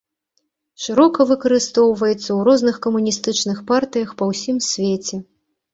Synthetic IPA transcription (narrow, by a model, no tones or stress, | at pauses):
ʂɨɾɔkɐvɨkɐɾɨst̪ɔwvɐjɛt̪sːɐwɾɔznɨxkɐmunʲist̪ɨt͡ʂnɨxpart̪ɨjɐxpɐwsʲimsʲvʲet͡sʲɛ